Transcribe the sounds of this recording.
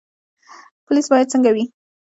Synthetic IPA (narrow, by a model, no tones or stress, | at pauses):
pʊlisbɑjad̪̚t͡səŋɡawi